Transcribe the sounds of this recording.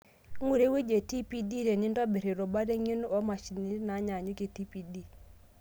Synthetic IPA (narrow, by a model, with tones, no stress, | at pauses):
ŋu˨ɾe˦we˦d͡ʒe˨ti˦pi˦di˦ɾe˨nɪ˦nda˦be˨ɾe˨ɾo˨ba˦ɾe˦ŋi˦n˦ɔ˦ma˨ʃi˨ni˦na˨˦ɲa˨ɲu˦ke˨ti˦pi˨di˦